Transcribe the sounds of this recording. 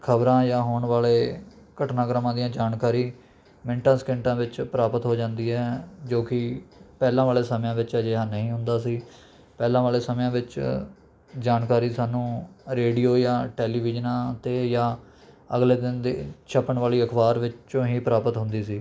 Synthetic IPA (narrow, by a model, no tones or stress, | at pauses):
kʰəbɾãːjãːɦoːɳʋaːleː | kəʈnaːɡɾəmãːd̪ijãːd͡ʒaːnkaːɾiː | mɪɳʈãːskɪ̃ɳʈãːʋɪt͡ʃpɾaːpət̪ɦoːd͡ʒãːnd̪iːɦɛːd͡ʒoːkɪpɛːlãːʋaːleːsəmjãːʋɪt͡ʃəd͡ʒeːɦãːnəɦĩːɦʊ̃nd̪aːsiː | pɛːlãːʋaːleːsəmjãːʋɪt͡ʃ | d͡ʒaːnkaːɾiːsaːnũːɾeːɖiːoːjãːʈɛːliːʋɪd͡ʒənãːt̪eːjãː | əɡleːd̪ɪnd̪ḛːt͡ʃʰəpəɳʋaːliːəkʰbaːɾʋɪt͡ʃt͡ʃõːɦiːpɾaːpət̪ɦʊ̃nd̪iːsiː